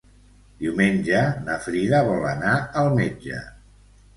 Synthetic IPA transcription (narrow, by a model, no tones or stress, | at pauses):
d̪iumenʲʒənəfɾiðəβɔlənaəlˠmed͡ʒə̰